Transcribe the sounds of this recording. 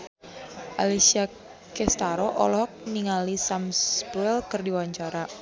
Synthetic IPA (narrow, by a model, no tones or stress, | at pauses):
ʔa̰lisia | kɛst̪aɾɔʔɔ̰lɔhɔk̚niŋalisamsbuɛlkɨrdiwaɲt͡ʃaɾa